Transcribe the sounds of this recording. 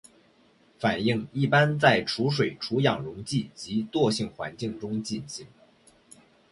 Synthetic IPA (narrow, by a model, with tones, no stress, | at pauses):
fa˨˩ni˥˧ŋi˥˩pa˥nt͡sa˥˩ɪʈ͡ʂʰu˧˥ʂ̬we˨˩ɪʈ͡ʂʰu˧˥jɑ˨˩ŋɻʊ˧˥ŋt͡ɕi˥˩t͡ɕi˧˥t̪wɔ˥˧ɕi˥˩ŋxwa̰˧˥nt͡ɕi˥˩ŋʈ͡ʂʊ˥ŋt͡ɕi˥˧nɕi˥˩ŋ